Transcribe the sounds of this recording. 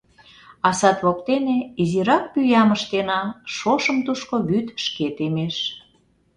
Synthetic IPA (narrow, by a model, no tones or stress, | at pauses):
ɑsɑt̪βokt̪eneiziɾɑk̚pyjɑməʃt̪enɑʃoʃə̆mt̪uʃkoβyt̪ʃket̪emeʃ